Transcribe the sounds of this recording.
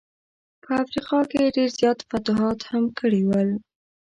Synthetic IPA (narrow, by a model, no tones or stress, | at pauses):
pəafɾiqɑkeɖeɾzjɑt̪fat̪ʊɦɑt̪hamkəɽiwəl